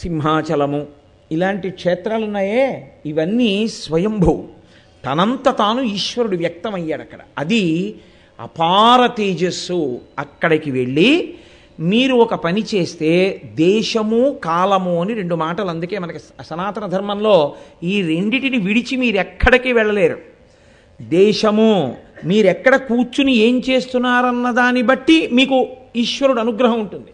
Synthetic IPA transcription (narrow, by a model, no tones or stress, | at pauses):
simɦaːt͡ʃɐlɐmu | ilaːɳʈikʂɛːt̪ɾaːlunːaːjeːiʋɐnːiːsʋɐjɐmbʱɐwṵ | t̪ɐnɐnt̪ɐt̪aːnuiːʃʋɐɾuɽuʋjɐk̚t̪ɐmɐjːaːɽɐkːɐɽɐ̰ɐd̪i | ɐ̰paːɾɐt̪iːd͡ʒɐsuɐkːɐɽɐkiʋe̞ɭːi | miːɾuɔkɐpɐnit͡ʃe̞ːst̪e̞ːd̪ɛːʃɐmukaːlɐmuɐniɾe̞ɳɖumaːʈɐlɐnd̪uke̞ːmɐnɐkiɐsɐnaːt̪ɐnɐd̪ʱɐɾmɐmlo̞ːiːɾe̞ɳɖiʈiniʋiɽit͡ʃimiːɾuɛkʰːɐɽɐkiːʋɛɭːɐle̞ːɾṵ | d̪ɛːʂɐmumiːɾuɛkːɐɽɐkuːt͡ʃːunie̞ːmt͡ʃe̞ːst̪unːaːɾɐnːɐd̪aːnibɐʈːimiːkuiʂʋɐɾuɽɐnuɡɾɐɦɐmuɳʈund̪i